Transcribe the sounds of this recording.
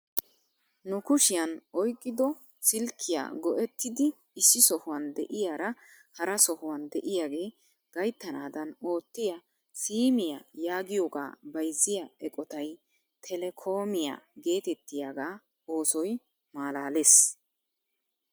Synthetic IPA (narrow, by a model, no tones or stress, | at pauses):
nʊkʊʃɪjɐnɔjkʼːɪd̪ɔ | sɪlkʰːɪja̰ːɡɔʔɛt̪ːɪd̪ɪ | ɪsːɪsɔhʊwɐnd̪ɛ̰ʔɪjaːɾɐ | hɐɾɐsɔhʊwɐnd̪ɛʔɪjaːɡe̞ː | ɡ̥ɐjt̪ːɐnaːd̪ɐno̞ːt̪ːɪja | siːmɪja̰jaːɡɪjɔɡa̰ːbɐjzːɪjaɛkʼɔt̪ɐj | t̪ʰɛlɛkʰo̞ːmɪja̰ːɡe̞ːt̪ɛt̪ːɪjaːɡaː | o̞ːsɔj | maːlaːles